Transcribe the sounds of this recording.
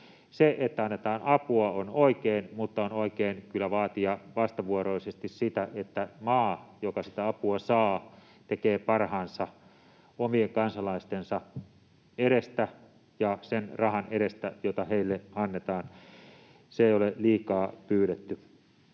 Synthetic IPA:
seʔet̪ːæɑnːet̪ɑːnɑpuɑonoikeːnmut̪ːɑonoˑikeːnkylːæʋɑːt̪iɑʋɑst̪ɑʋuoroˑisest̪issit̪æʔet̪ːæmɑːjokɑsit̪æɑpuɑsɑː | t̪ekeːpɑrhɑːnsɑ | omieŋkɑnsɑlɑist̪ensɑ | eɾest̪æ | jɑsenrɑhɑneɾest̪æjot̪ɑheilːeɑnːet̪ɑːn | seeˑijoleliːkɑːpyːɾet̪ːy

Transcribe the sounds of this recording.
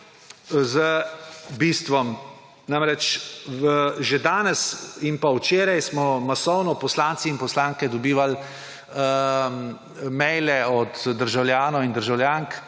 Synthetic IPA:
zəbiːst̪ʋɔm | namɾɛt͡ʃʋəʒed̪aːnɛsinpawt͡ʃeːɾajsmɔmasɔwnɔpɔslaːnt̪siːnpɔslaːŋkɛd̪ɔbiːʋal | mɛjlɛɔt̪ːəɾʒawljaːnɔind̪əɾʒawljaːŋk

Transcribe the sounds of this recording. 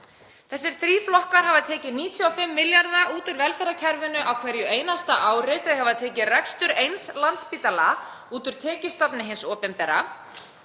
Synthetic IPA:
θɛsːɪɾ̥θɾiːflɔhkaɾ̥havaðt̪ʰɛːcɪniːt̪ʰjyafɪmːɪljaɾðaʔuːt̪ʏɾvɛlfɛɾacʰɛɾvʏnʏʔawkʰvɛɾjʏeːjnast̪aʔaːwrɪt̪aðhavaðt̪ʰɛːcɪrɛkst̪ʏɾejnslant̪spiːt̪ala | uːt̪ʏɾ̥t̪ʰɛːcɪst̪apnɪɦɪnsɔːpɛnpɛɾa̰

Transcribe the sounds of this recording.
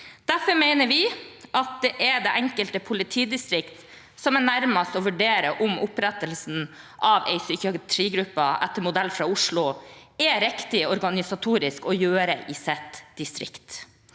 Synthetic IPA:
d̪̥æfɔɾmeɪnəʋɪʔɑt̪̚d̪ɛʔɛɖ̪eːʔɛŋkəlt̪əpʰʊlɪt̪ʰiːd̪ɪst̪ɾɪkt̪ | sɔmɛnæɾmɑst̪ɔʋʉɖeːɾəʔʊmʊpɾɛt̪əlsn̩ | ʔɑʋɛ̰ɪsyːkɪɑt̪ʰɾiːɡɾʉpːəʔæ̰t̪ːəɾmʊd̪ælːfɾɑːʊʂlʊɛɾɛkt̪ɪɔɾɡɑnɪsɑt̪ʰuːɾɪskɔjøːɾəʔɪːsɛt̪d̪̥ɪst̪ɾɪ̰kt̪

